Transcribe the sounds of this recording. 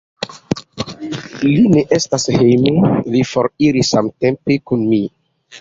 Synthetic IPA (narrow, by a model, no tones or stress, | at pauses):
lineʔestashejmulifoɾiɾisːamtempekunmi